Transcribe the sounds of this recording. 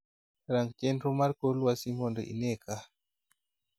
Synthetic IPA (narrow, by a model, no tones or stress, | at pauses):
ɾaŋɡt͡ʃɛnɾumaɾkolwasiŋɡɔndɔ̰ʔḭnɛka